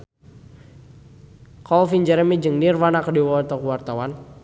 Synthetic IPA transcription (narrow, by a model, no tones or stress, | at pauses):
kɔlfind͡ʒɛɾəmid͡ʒɨŋnirwanakədiwɔat̪akəwart̪awan